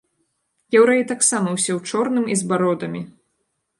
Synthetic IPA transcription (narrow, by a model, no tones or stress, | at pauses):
jɛwɾait̪aksamɐwsʲɛwt͡ʂɔrnɨmizbaɾɔd̪ɐmʲi